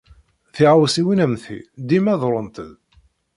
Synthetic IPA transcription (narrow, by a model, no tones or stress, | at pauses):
θiʁawsiwinæmθḭd̪imæðˤɾˤənt̪əð